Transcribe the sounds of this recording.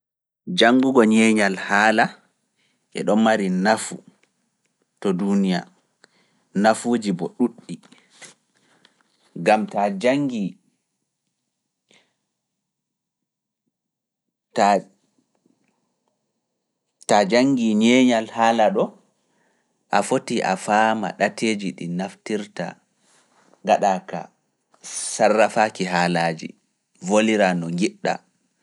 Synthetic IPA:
d͡ʒaŋɡuɡɔɲɛːɲalhaːla | ʔɛ̰ɗɔnmaɾinafṵ | tɔdunija | nafoːd͡ʒibɔɗuɗːi | ɡamtad͡ʒaŋɡi | ta | tad͡ʒaŋɡiɲɛːɲalhaːlaɗɔ | ʔafotiʔa̰faːma̰ɗatʰeːd͡ʒiɗinaftiɾta̰ | ŋɡaɗaːka̰ | sarːafaːkiɦaːlaːd͡ʒḭ | voliɾanɔɡiɗːa̰

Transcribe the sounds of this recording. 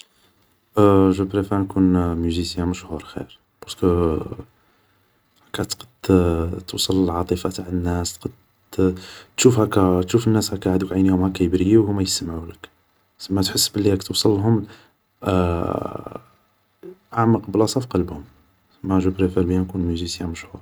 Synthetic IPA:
ʒəpɾefæɾnkunmyzisjæməʃhuɾxḭɾ | bɑɾskə | hækːæt̪qə̥d̪t̪usˤəlːəlʕɑt̪ˤəfat̪aʕənːæst̪qɑd̪ | t̪ʃufhækːæt̪ʃufənːæshækːæʕad̪ukʕajnihʊmhækːæjəbɾijiwhʊmːæjəsəmʕulək | səmːæt̪ħəsːbəlːihækt̪əwsˤəlːɦʊm | ʔaʕməqblɑsˤɑfqɑlbhʊm | əmːæʒəpɾefiɾbjænkunmyzisjæ̃məʃhuɾ

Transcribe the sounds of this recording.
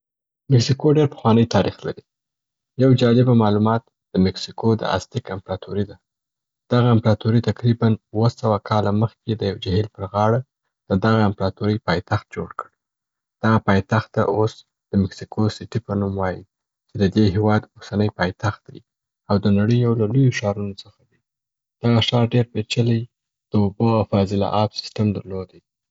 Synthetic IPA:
mɪksikoɖeɾpə̥xwɑnəjt̪ɑɾixla̰ɾi | jawd͡ʒɑlɪbamɑlumɑt̪̚ | d̪̥əmɪksikod̪ə̰a̰st̪ikɪmpɾɑt̪ʰuɾid̪a | d̪̥aɣaɪmpɾɑt̪uɾit̪aqɾibanwəsawakʰɑlaməxked̪əjawd͡ʒahilpəɾɣɑɽa | d̪̥əd̪aɣaɪmpɾɑt̪uɾəjpɑjt̪axt̪̚d͡ʒoɽkəɽ | d̪̥aɣapɑjt̪axt̪ːa̰ʔos | d̪̥əmɪksikʰosɪʈipənumwɑji | t͡ʃed̪əd̪eɦewɑd̪osanəjpɑjt̪axt̪̚d̪ḛj | awd̪ənaɽəjolalujoʃɑɾunot͡səxad̪i | d̪̥aɣaʃɑɾɖeɾpet͡ʃələj | d̪̥əoboawfɑzɪlɑ̰ʔɑbsɪ̥sʈamd̪əɾlod̪e

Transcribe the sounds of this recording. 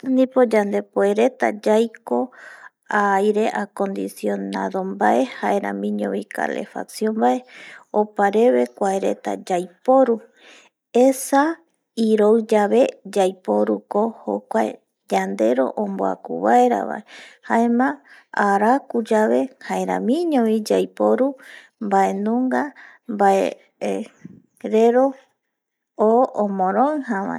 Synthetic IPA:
nĩpod͡ʒand̪e̞poeɾe̞t̪a̰d͡ʒajko | ajɾe̞ʔako̞nd̪isio̞naðo̞mbaʔe̞haeɾa̰mĩɲõβika̰le̞̰fa̰ksjõmbae̞opaɾe̞βe̞kʷaeɾe̞̰t̪a̰d͡ʒajpo̞ɾu | esa | iɾowd͡ʒaβe̞d͡ʒajpo̞ɾuko̞ho̰kʷaḛ | d͡ʒand̪e̞ɾo̞̰ʔõmboa̰kṵβaeɾa̰βa̰ehaemãaɾakud͡ʒaβe̞haeɾa̰mĩɲõβid͡ʒajpoɾu | mbae̞nũŋɡa | mbae | ɾeɾo̞ | oːmõɾõhaβa̰e

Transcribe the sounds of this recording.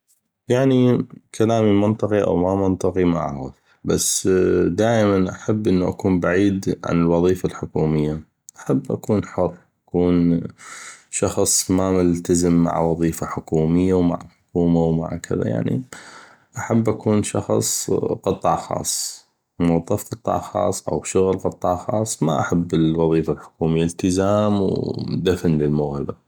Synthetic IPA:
jaʕnikʰalaːmimɪnt̪ˤɨqiʔa̰wmamɪnt̪ˤɨqimaʔa̰xʊð | basd̪aːʔmanʔaħabːʔɪnːuʔa̰kuːnbaʕiːd̪ʕa̰nɪlwɑðˤiːfalħʊkuːmɪjːa | ʔḁħabːʔa̰kuːnħʊrˤːʔakuːn | ʃɑxsˤmamɪlt̪azɪmːa̰ʕwɑðˤiːfaħʊkuːmɪjːawma̰ʕħʊkuːmawma̰ʕkʰɪða̰ja̰ʕnḭ | ʔaħabːʔakuːnʃɑxsˤqɨt̪ˤːɑʕxɑ̰ːsˤ | mʊwɑðˤːɑfqɨt̪ˤːɑ̰ʕxɑ̰ːsˤːʔa̰wʃʊɣlqɨt̪ˤːɑʕxɑ̰ːsˤːma̰ʔaħabːɪlwɑðˤiːfalħʊ̥kuːmɪjːalt̪ɪzaːmwd̪afnlɪlmʊɣhɪba

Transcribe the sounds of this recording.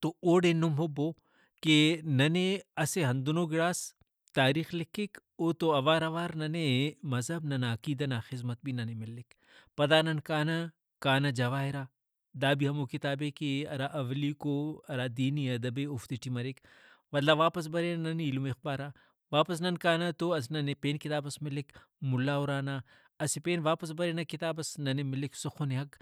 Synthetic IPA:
t̪ooːɽenumɦoboː | kenɐneɐseɦɐnd̪unoːɡɪɽaːs | t̪aːɾiːxlɪkʰːikoːt̪oɐʋaːɾɐʋaːɾnɐnemɐzɦɐbnɐnaːkiːd̪ɐnaːxɪzmɐt̪̚binɐnemɪlːɪk | pɐd̪aːnɐnkaːnɐ | kaːnɐd͡ʒɐʋaːɦiɾaː | d̪aːbiɦɐmukit̪aːbeːkeɐɾaʔɐʋlikoɐɾaːd̪iːniɐd̪ɐbeʊft̪iʈimɐɾikʋɐlːaʋaːpɐs̬bɐɾennɐneilumexbaːɾaː | ʋaːpɐs̬nɐnkaːnɐt̪oɐsnɐnepeːnkit̪aːbɐsmɪlːikmʊlːaːuɾaːnaː | ɐsipeːnʋaːpɐs̬bɐɾeːnɐkit̪aːbɐsnɐnemɪlːiksʊxʰoneɦɐk

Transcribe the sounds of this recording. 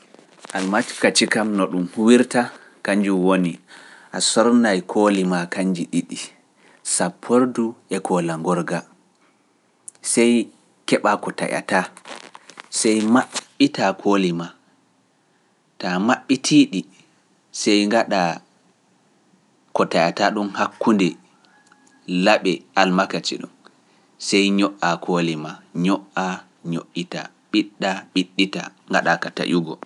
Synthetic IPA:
ʔalmat͡ʃkat͡ʃikamnɔɗumhuwiɾta | kaɲd͡ʒuwoniʔasɔɾnajkʰoːlimakand͡ʒiɗiɗi | sapʰːoɾduɛkʰɔlaŋɡɔɾɡa | sɛj | kɛɓakɔta̰ja̰ta | sɛjmaɓːitakʰolima | tamaɓːitʰiɗi | sɛjŋɡaɗa | kɔtajataɗunhakːundɛ | laɓɛʔalmakat͡ʃḭɗṵn | sɛjɲɔʔakʰoːlimaɲɔʔa | ɲo̰ʔːita̰ | ɓiɗːaɓiɗːita̰ŋɡaɗakata̰ʔuɡɔ

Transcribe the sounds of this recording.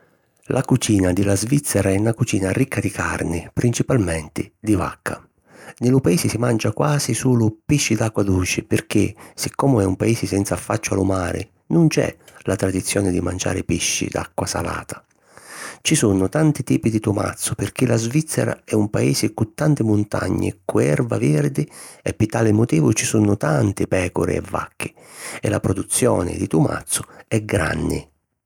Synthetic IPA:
lʔakut͡ʃiːnad̪ɪlazvit̪sːɛɾaɛunakut͡ʃiːnaɾikʰːad̪ika̰rnɪpɾʔint͡ʃipalmɛnt̪ɪd̪iva̰kʰːa | nɪlʊpaeːsɪsimand͡ʒakwaːzisuːlʊpiʃːid̪akːwad̪ut͡ʃɪpɪrk̟ɪsɪkːɔːmʊɛumpaiːsɪsɛnt̪safːat͡ʃːʊalʊmaːɾɪ̰ | nʊnt͡ʃɛ̰lat̪ɾad̪it̪sːjɔːnɪd̪imand͡ʒa̰ːɾɪpiʃːḭd̪a̰kːwasa̰la̰ːt̪ʰḁ | t͡ʃisunʊt̪ant̪it̪iːpid̪it̪uma̰t̪sːʊpɪrk̟ilazvit̪sːɛɾa̰ɛumpaeːsɪkut̪ːant̪ɪmʊnt̪a̰ɲːɪ̰kuɛrvavɪrd̪ɪɛpːɪt̪aːlɪmʊt̪iːvʊt͡ʃisunʊt̪ant̪ɪpɛːkʊɾɪ̰ɛ̰vːa̰kːɪ | ɛlapɾɔd̪ut̪sːjɔ̰ːnɪ̰d̪it̪uma̰t̪sːʊɛɡɾa̰nːɪ̰

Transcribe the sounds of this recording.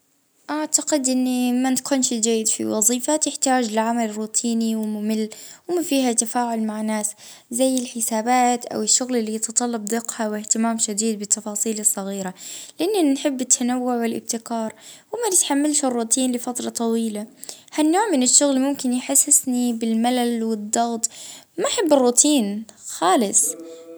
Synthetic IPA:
ʔaʕt̪aqɪd̪ʔɪnːimankuːnʃd͡ʒajːɪd̪fḭwɑzˤiːfat̪ɪħt̪aːd͡ʒɪlʕamalrːuːt̪ʰiːniwɪmʊmɪlːwɪmafiːhat̪afaːʕʊlmaʕnːaːs | zajːɪlħɪsaːbaːt̪ʔa̰wɪʃːʊɣlɪlːijɪt̪ɑt̪ˤɑlːɑb̚d̪ɪqhawɪht̪ɪmaːmʃad̪iːd̪̚bɪt̪ʰːɑfɑːsˤiːlɨsˤːɑɣiːɾalɪʔɪnːanħɪbːɪt̪ʰːanawːʊʕwɪlʔɪ̰b̚t̪ɪkɑːɾˤwɪmanɪt̪ħamːalʃɪrːuːt̪ʰˤiːnlɪfat̪ɾˤɑt̪ˤɑwiːlahanːoːʕmɪnɪʃːʊɣlmʊmkɪnjħasːɪsnibɪlmalalwɪd̪ˤːɑɣt̪ˤmanħabːɪrˤːuːt̪ʰiːnxaːlɪsˤ

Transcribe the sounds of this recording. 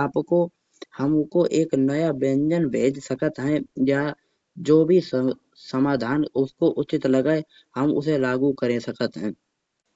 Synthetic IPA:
aːpko | həmkoʔeːknəjabẽːɲd͡ʒənbʱeːd͡ʒsəkət̪ɦɛ̃ja | d͡ʒoːbʱi | səmaːd̪ʱaːnʊskoʔʊt͡ʃɪt̪ləɡae | həmʊ̰selaːɡukəɾẽsəkət̪ɦɛ̃ː

